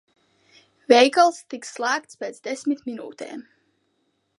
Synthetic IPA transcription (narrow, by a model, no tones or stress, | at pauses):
vɛjkalˠst̪iksːlˠaːkt̪spʲeːt̪sd̪ɛsʲmʲit̪mʲinṵːt̪ḛːm